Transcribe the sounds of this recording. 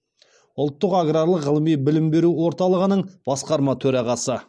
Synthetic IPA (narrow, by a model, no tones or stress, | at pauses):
ʊlˠt̪ːəqaɡraɾlˠəʁəlˠəmijbɪlɪmbe̞ɾuwo̞ɾt̪ɑlˠəʁənəɴb̥ɑsqɑɾmɑt̪ʰɵɾɑʁɑsə